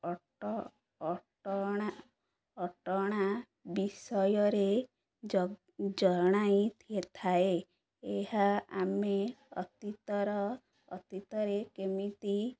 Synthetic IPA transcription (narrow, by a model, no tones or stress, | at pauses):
ʈɔɽ̃a | ɔʈɔɽ̃a | bisɔjɔɾe | d͡ʒɔɾɽ̃ajt̪ʰiet̪ʰae | eɦaameɔt̪it̪ɔɾɔ̰ː | t̪it̪ɔɾekemit̪i